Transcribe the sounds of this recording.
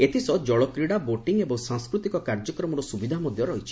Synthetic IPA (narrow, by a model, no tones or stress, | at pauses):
et̪ʰisɔd͡ʒɔɭɔkɾiɽaboʈiŋebɔŋsaŋskɾut̪ikɔkaɾd͡ʒɔkɾɔmɔɾɔsubid̪ʱamɔd̪ʱjɔɾɔɦit͡ʃʰi̥